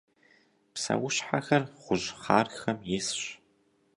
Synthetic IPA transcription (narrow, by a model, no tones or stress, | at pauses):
psɐ̰wʊɕħaxɐrχʷʊʑχaːrxɐmjɪsɕ